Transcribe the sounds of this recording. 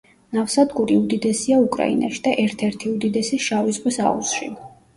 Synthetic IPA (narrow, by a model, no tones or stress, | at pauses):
nafsad̪ɡuɾiud̪id̪ɛsiaukʼɾa̰ḭna̰ʃid̪̥aʔɛɾt̪ʰɛɾt̪ʰiud̪id̪ɛsiʃavizʁwisa̰ṵsʃḭ